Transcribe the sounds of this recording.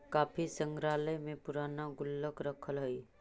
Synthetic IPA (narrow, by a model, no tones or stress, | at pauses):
kaːpʰisə̃ŋɡɾaːləjmẽpʊɾaːnaɡʊlːəkɾəkʰəlɦəi